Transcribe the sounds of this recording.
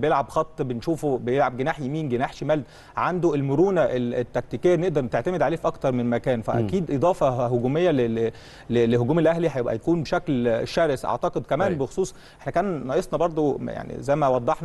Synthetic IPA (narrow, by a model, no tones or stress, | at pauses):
bejelʕabxɑt̪ˤːbenʃuːfubejelʕab̚ɡenaːħjæmiːnɡenaːħʃemæːld̪ | ʕand̪oelmoɾuːnæʔelet̪ːæk̚t̪ikejːæneʔd̪ɑɾˤt̪eʕt̪æmed̪ʕaleːfʔɑkt̪ɑɾˤmenmækæːnfæ̰ʔæ̰kiːd̪ʔed̪ˤɑːfɑɦoɡuːmejːælele | leleɦoɡuːmelʔæhliħæjebʔæ̰jækuːnbeʃæklʃæːɾesʔɑ̰ʕt̪ɑqed̪̚kæmæːnnbexo̥sˤuːsˤ | ʔeħnækæːnːɑʔesˤnɑbɑɾˤd̪ˤoja̰ʕnḭzæjmæwɑd̪ˤːɑħn